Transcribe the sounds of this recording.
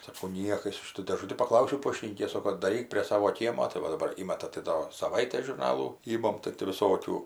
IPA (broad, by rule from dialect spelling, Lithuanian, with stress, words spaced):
sɐˈkɐʊ ˈnʲiɛkɐs ˈʃʲɪtuː dʲeːˈʒʊtʲɪ pɐˈklˠɐʊsʲɛʊ ˈpoːʃʲtʲɪnʲiːkʲeːs ˈsoːkoː dɐˈrʲiːk pʲrʲiɛ ˈsɑːʋoː ˈkʲiɛmoː tɐɪ ˈʋɐ dɐˈbɐr ˈiːmɐtɐ tɐɪ ˈdoː sɐˈʋɐɪtʲeːs ʒʊrˈnɑːlˠuː ˈiːmɐm tɐɪ tʲɪ ʋʲɪˈsoːkʲuː